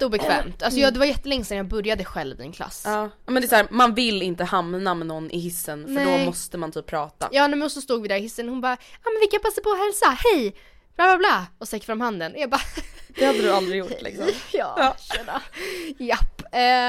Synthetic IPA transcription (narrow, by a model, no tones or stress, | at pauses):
t̪uːbɛkʰvɛːmt̪alsɔjɑːd̪ɛvaɾjɛt̪ːəlɛŋːəsɛnjɑːbɵɾjad̪əɧɛlːvɪd̪ɪ̰nkʰla̰sːɑː | mɛnd̪ɛsːɾmanvɪlːɪnt̪əhamnamɛnɔnːʔɪ̰ɦɪsːənfnəɛɖɔmɔst̪əmant̪ʰyːpʰːɾɑːt̪a̰jɑːnɛmɛnɔsːɔst̪uːɡvɪd̪æɾɪhɪsːənhʊnbɑːɑːmɛnvɪlkːapʰasːaɾpʰɔɦɛlsahɛj | b̥laːblaːblɑːɔst̪ɛkːfɾamhand̪ənjabɑd̪̥ɛhad̪ːəd̪ɵald̪ɾɪjʊlɪ̰ksɔmjɑ̰ːɛajɛpː